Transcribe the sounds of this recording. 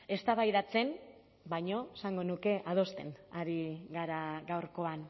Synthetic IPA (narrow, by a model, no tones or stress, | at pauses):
e̞st̪aβajðat͡se̞n | baɲo̞esaŋɡo̞nuke̞ʔað̞o̞st̪e̞̰naɾiɡaɾaɡawɾko̞an